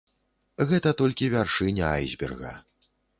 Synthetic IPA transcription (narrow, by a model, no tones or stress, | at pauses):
ɣɛt̪ɐt̪ɔlʲkʲivʲarʂɨnʲɛajzʲbʲɛ̰rɣɐ̰